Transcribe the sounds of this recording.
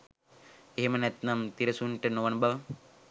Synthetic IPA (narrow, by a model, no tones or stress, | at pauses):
eɦemɐnet̪nɐmt̪iɾɐsunʈenoʋɐnbɐʋ